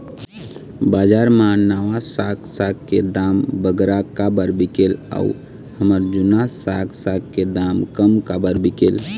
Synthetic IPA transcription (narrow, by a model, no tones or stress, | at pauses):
bad͡ʒaɾmanaʋasaksakkːed̪ambəɡɾakabəɾbikela̰ṵ | həməɾd͡ʒunasaksakked̪amkəmkabəɾbikel